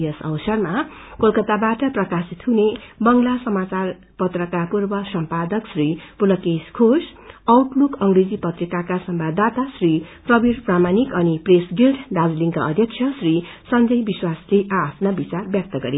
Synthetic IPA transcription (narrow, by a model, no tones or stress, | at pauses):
jʌsʌ̰wsʌrma | kolkʌt̪abaʈʌprʌkasit̪ɦunebʌŋlasʌmat͡sar | pʌt̪rʌkapurbʌsʌmpad̪ʌksripulʌkeskʰosʌwʈlukʌŋɡred͡zipʌt̪rikakasʌmbʱad̪ʱat̪asriprʌbiɾpramanikʌnipresɡilʈɖad͡zliŋkʌʌd̪ʱjʌksʰʌsri | sʌnd͡zʌjbiswasleʔapʰnabit͡sarbjʌk̚t̪ʌɡʌɾe